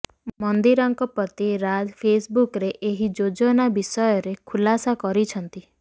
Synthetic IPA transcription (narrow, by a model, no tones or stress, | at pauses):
mɔnd̪iɾɔŋkɔpɔt̪iɾad͡ʒpʰesbukɾeʔeɦid͡ʒod͡ʒɔnabisɔjɔɾekʰulasakɔɾit͡ʃʰɔnt̪i